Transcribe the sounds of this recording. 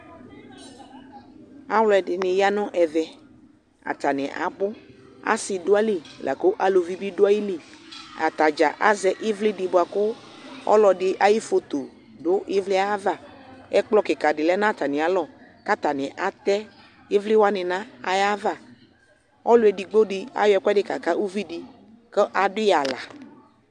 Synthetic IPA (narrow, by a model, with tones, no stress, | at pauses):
a˨wlɔ˨˦ɛ˨dɪ˨nɪ̃˨ja˦nɔ̃˦ʔɛ˨vɛ˨ | a̰˨t̪a˨nɪ̰̃˨ʔa̰˨bʊ˦ | a̰˦sɪ˨dʊ˦a˦li˨la̰˨ko˦ʔa˨lo˨vi˦bi˦dʊ˦a˦ji˦li˨a̰˨t̪a˨d͡ʒa̰˨ʔa˦zɛ˨ʔɪ˦vlɪ˦dɪ˨bʊ˨a˨kʊ˦ | ɔ̰˦lɔ˨dɪ˨ʔa˨ji˦fo˨t̪o˨ | dʊ˦ɪ˦vlɪ˦a˦a˦va˦˨ɛ˦k͡plɔ˦kɪ˨ka˨dɪ˨lɛ˦nã˦t̪a˨nɪ̃˨a˨lɔ˦˨ | ka˦t̪a˨nɪ̃˨ʔa˨t̪ɛ˦ | ɪ˦vlɪ˦wa˦nɪ̃˨nã˦a˨ja˦va˦˨ | ɔ˦lʊ˦ɛ˨di˨ɡ͡bo˦ɖɪ˦a̰˦jɛ˨kɛ˦dɪ˦ka˨ka˦u˦vi˦di˨ | kə˦ʔa˨dʊ˦ja˨la̰˨